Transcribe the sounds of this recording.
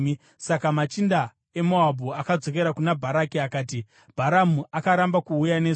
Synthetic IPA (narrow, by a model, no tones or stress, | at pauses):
sakamat͡ʃinda | e̞moabʱuakad͡zo̞ke̞ɾakunabʱaɾakiakaːti | b̥ʱaɾamuakaɾambakuːjane